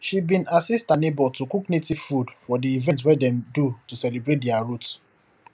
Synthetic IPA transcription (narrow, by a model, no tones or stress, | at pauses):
ʃibĩnasistanebɔltukuknetifudfɔdiivɛ̃nt̬wɛdɛ̃mdutusɛlibɹet̚dɛaɹut